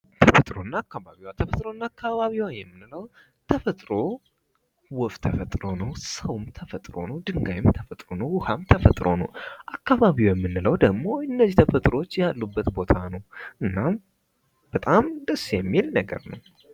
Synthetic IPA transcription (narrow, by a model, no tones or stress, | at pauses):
t̪ʰəfət̪ʼɾo̞nːaːkːaβaβiwat̪ʰəfət̪ʼɾo̞nːaːkːaβaβiwajɛmːɨnɨləw | t̪ʰəfət̪ʼɾo̞ | wɔft̪ʰəfət̪ʼɾo̞nəwsəwumt̪ʰəfət̪ʼɾo̞̰nəwd̪ɨŋɡajɪmt̪ʰəfət̪ʼɾo̞nəwwʊhamt̪ʰəfət̪ʼɾo̞̰nə̰wʔakːaβaβiwjɛmːɨnːɨləwd̪əɡmo̞ɨnːəzt̪ʰəfət̪ʼɾo̞t͡ʃːjalːubːət̪bo̞t̪ʰanəwʔɨnːam | b̥ət̪ʼamd̪əsːjɛmːilnəɡə̰ɾnəw